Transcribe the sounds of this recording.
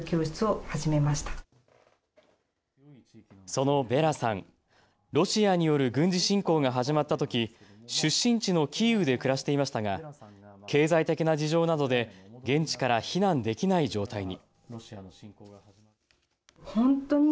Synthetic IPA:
kʲo̞ːɕi̥t͡sɨo̞haʑime̞maɕi̥t̪ḁ | so̞no̞be̞ɾasãŋ | ɾo̞ɕiaɲ̟ijo̞ɾɯ̟ɡɯ̟̃ɲ̟d͡ʑiɕĩŋko̞ːɡaɦaʑimat̪ːat̪o̞kʲiɕɨɕːĩɲ̟t͡ɕino̞kʲʰiɯ̟d̪e̞kɯ̟ɾaɕi̥t̪e̞imaɕi̥t̪aɡakʰe̞ːzait̪e̞kʲinad͡ʑiʑo̞ːnad̪o̞d̪e̞ɡẽ̞ɲ̟t͡ɕi̥kaɾaçinãnd̪e̞kʲinaid͡ʑo̞ːt̪aiɲ̟i | hõ̞nt̪o̞ɲ̟i

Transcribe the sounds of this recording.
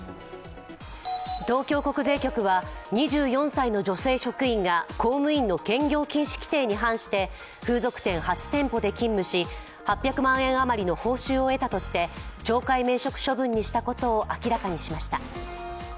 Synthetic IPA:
t̪o̞ːkʲo̞ːko̞kɯ̟ze̞ːkʲo̞kɯ̟βaɲ̟iʑɨːjõ̞ɰ̃saino̞d͡ʑo̞se̞ːɕo̞kɯ̟ĩŋɡako̞ːmɯ̟ĩnːo̞kẽ̞ŋɡʲo̞ːkʲĩɰ̃ɕi̥kʲi̥t̪e̞ːɲ̟iɦãɰ̃ɕi̥t̪e̞ | ɸɯ̟ːzo̞kɯ̟̥t̪ẽɰ̃hat͡ɕi̥t̪ẽ̞mpo̞d̪e̞kʲĩmːɯ̟ɕi | hapʲːjakɯ̟mãɰ̃ẽ̞ɰ̃amaɾʲino̞ho̞ːɕɨːo̞e̞t̪at̪o̞ɕi̥t̪e̞t͡ɕo̞ːkaime̞ːɕo̞kɯ̟̥ɕo̞bɯ̟̃ɲ̟ːiɕi̥t̪ako̞t̪o̞ːʔakʲiɾakaɲ̟iɕimaɕi̥t̪a

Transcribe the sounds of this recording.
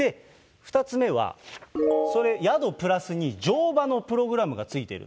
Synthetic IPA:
e̞ | ɸɯ̟̥t̪at͡sɨme̞βa̰ | so̞ɾe̞jad̪o̞pɯ̟ɾasɨɲ̟id͡ʑo̞ːbano̞pɯ̟ɾo̞ɡɯ̟ɾamɯ̟ɡat͡sɨit̪e̞̰ɾɯ̰

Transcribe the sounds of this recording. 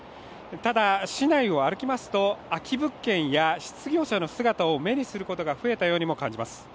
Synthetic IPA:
t̪ad̪aɕinaio̞aɾɯ̟kʲimasɨ̥t̪o̞akʲʰibɯ̟kːẽ̞ɰ̃jaɕi̥t͡sɨɡʲo̞ːɕano̞sɨɡat̪ao̞me̞ɲ̟isɨɾɯ̟ko̞t̪o̞ɡaɸɯ̟e̞t̪ajo̞ːɲ̟imo̞kãɲ̟d͡ʑimasɨ̥

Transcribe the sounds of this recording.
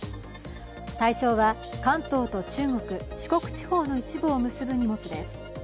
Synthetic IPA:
t̪aiɕo̞ːβa | kãnt̪o̞ːt̪o̞t͡ɕɨːŋo̞kɯ̟ɕi̥ko̞kɯ̟̥t͡ɕi̥ho̞ːno̞it͡ɕibɯ̟omɯ̟sɨbɯ̟ɲ̟imo̞t͡sɨd̪e̞sɨ̥

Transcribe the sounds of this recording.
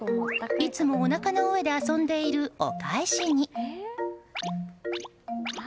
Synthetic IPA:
it͡sɨmo̞ːnakano̞oed̪e̞asõ̞nd̪e̞iɾɯ̟o̰kaeɕiɲ̟i

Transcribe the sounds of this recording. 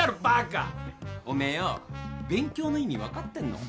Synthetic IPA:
aɾɯpaka̰omejobẽ̞ŋkʲo̞ːnoiɲ̟ːiβakat̪ːẽ̞nːo̰

